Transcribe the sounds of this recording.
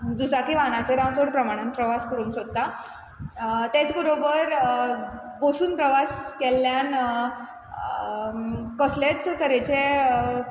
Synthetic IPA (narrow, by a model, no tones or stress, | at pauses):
d͡zusakiʋanat͡seɾãwt͡soɽpɾəmaɽ̃ənpɾəʋaskəɾuːnsod̪̚a | t̪et͡sbəɾobəɾ | bosuːnpɾəʋaskelːjan | kɔsleʈt͡st̪əɾet͡ɕe